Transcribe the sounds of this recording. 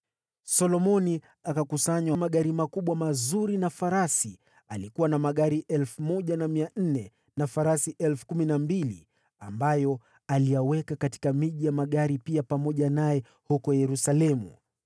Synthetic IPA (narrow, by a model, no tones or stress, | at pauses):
sɔlɔmɔni | akakusaɲwamaɠaɾimakuɓwamazuɾinafaɾasi | alikuwanamaɠaɾiʔɛlfumɔʄanamian̩nɛ | nafaɾasiʔɛlfu̥kuminambilḭ | ambajɔ | alijawɛkakati̥kamiʄijamaɠaɾipiapamɔʄanajɛ | hukɔjɛɾusalɛmṵ